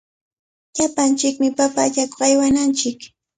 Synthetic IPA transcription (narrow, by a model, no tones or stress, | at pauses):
ʎapant͡ʃɪkmɪpapaːʎakoχajwanant͡ʃɪk